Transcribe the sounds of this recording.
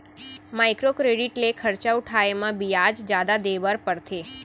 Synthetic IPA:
majkɾokɾeɖiʈlekʰəɾt͡ʃauʈʰaemãbijad͡ʒd͡ʒjad̪ad̪eʋəɾpəɽt̪ʰe

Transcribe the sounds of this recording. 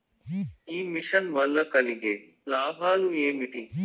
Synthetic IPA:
iːmɪʃənʋɐlːɐkɐliɡeː | laːbʱaːluːeːmɪʈiː

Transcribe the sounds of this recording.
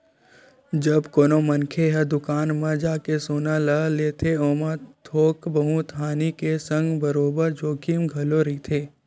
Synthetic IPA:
d͡ʒəbkoːnomənkʰeɦəd̪ʊkaːnmãd͡ʒaːkesoːnaləleːt̪ʰeoːmãt̪ʰoːkbəɦũt̪ʰaːnikesə̃ŋɡbəɾoːbəɾd͡ʒoːkimɡʱɐloɾit̪ʰeː

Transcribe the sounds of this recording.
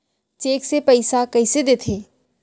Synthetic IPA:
t͡ʃeːksepɐɪsakɐɪsed̪eːt̪ʰeː

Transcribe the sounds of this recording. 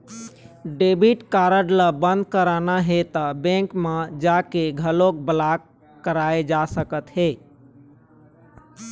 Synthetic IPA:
ɖebiʈkaɾəɖləbənd̪̚kəɾanaɦet̪əbẽkmed͡ʒakeɡʱəlok̚bəlak | kːəɾaed͡ʒasəkət̪ɦe

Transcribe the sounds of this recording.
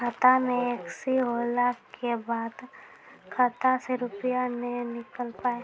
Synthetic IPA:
kət̪amẽeksiɦoːlakebaːd̪ | kʰət̪aseɾʊpɪjanenɪkəlpaːe

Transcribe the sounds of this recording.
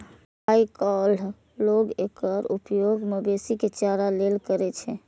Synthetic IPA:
ɦajkɔl | loɡekəɾupjoɡmebesiket͡ʃaɾalelkəɾɛt͡ʃʰɛ

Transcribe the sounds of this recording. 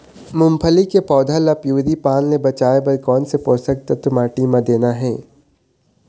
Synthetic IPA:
mʊmpʰəlikepɔːd̪ʱalɐpjuːd̪ipaːnːebɐt͡ʃaːebɐɾkɔːnsepoːsək̚t̪ɐt̪ʊmaːʈimãd̪eːnaɦɛː

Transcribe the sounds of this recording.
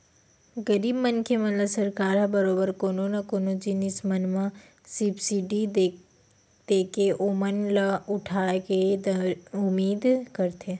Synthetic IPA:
ɡɐɾiːbmɐnkʰemɐnlasɐɾkaːɾabɐɾoːbəɾkoːnonɐkoːnod͡ʒɪnɪsmɐnmã | sipsiɖid̪e | d̪̥eːkeʔomənlaʊʈʰaːked̪ɐʊmiːd̪kɐɾt̪ʰe

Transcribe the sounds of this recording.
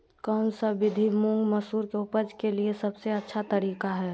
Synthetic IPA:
kəmsəbɪd̪ʱimuŋɡməsuːɾkeʊpəd͡ʒkeliesəbseətːʃʰat̪əɾiːkaɦɛː

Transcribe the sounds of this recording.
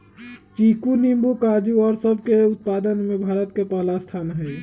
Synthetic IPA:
t͡ʃikunimbukad͡ʒuɔːɾsəbʱkeut̪̚pad̪ənmebʱaɾət̪kepalast̪ʰanɦɛj

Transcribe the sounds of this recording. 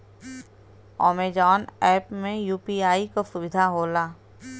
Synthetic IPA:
ɔːmed͡ʒɔːnɛːpmẽjuːpiːaːikosʊʋɪd̪ʱaɦoːlaː

